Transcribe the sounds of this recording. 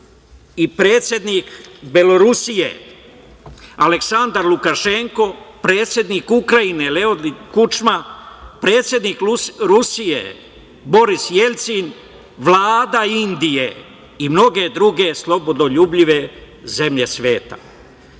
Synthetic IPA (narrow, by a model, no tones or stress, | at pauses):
ipɾe̞ːt̪sʲje̞d̪nikbe̞lo̞ɾusije̞̰ | ale̞ksand̪aɾlukaʃe̞ŋko̞pɾe̞ːt̪sje̞d̪niːkukɾainele̞oikut͡ʃmapɾe̞ːt̪sje̞d̪niːkɾusijḛ | bo̞ɾisje̞lʲt̪sin | ʋlaːd̪aind̪ije̞ | imno̞ɡe̞d̪ɾuɡe̞slˠo̞bo̞d̪oʎuːbʎiʋe̞ | ze̞mʎe̞sʋe̞ːt̪a̰